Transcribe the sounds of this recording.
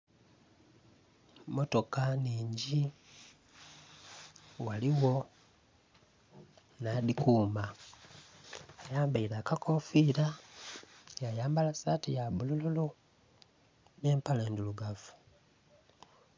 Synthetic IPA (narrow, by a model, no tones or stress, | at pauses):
mo̞to̞kaniːɲɟi | waliwo̞ | nadikuːmba | ajaːmbaiɾaːkakofiːɾa | jajaːmbalasatijabulululu | neːmpaleːnduluɡafu̥